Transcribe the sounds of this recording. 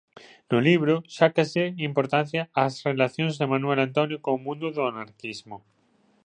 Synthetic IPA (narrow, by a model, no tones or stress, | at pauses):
nʊliβɾʊʃakaseimpoɾt̪an̟θjaːsrelaθjõŋzðemanwelant̪onjokõomũnd̪oðoanaɾkizmo